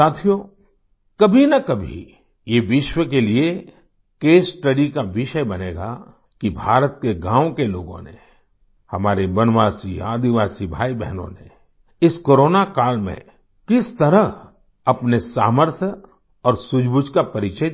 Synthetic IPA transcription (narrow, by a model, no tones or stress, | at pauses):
saːt̪ʰijo | kɐbʱinɐkɐbʱḭ | jeʋɪʃwək̬elie | keːsʈəɽikaʋɪʃəjbɐneːɡa̰ | kibʱaːɾət̪keɡãːwkelo̰ːɡõ̰nḛ | hɐmaːɾebɐnʋaːsiaːd̪iʋaːsibʱaːibɛ̰ɦnõ̰nḛ | ɪskoːɾoːnakaːlmḛ̃ | kɪst̪ɐɾəɦ | ɐpnesaːməɾt̪ʰjə | ɔːɾsʊd͡ʒbʊd͡ʒkapɐɾɪt͡ʃə